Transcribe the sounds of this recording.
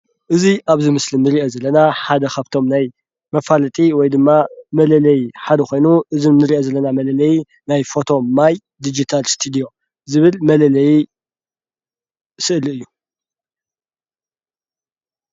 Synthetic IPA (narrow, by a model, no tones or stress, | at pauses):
ʔɨziʔaβzimɨslimnɨɾiʔo̞zɐlːɐnaħad̪ɐkʰaβt̪ʰo̞mnaj | mɐfalɐt̪ʼiwɔjd̪ɨmːamɐlɐlɐjħad̪ɐkʰo̞jnuʔɨzimnɨɾiʔozɐlːɐnamɐlɐlɐji | najfo̞t̪ʰo̞maj | d̪id͡ʒit̪ʰalst̪ʰud̪io̞ | zɨβɨlmɐlɐlɐji | sɨʔlɨjːu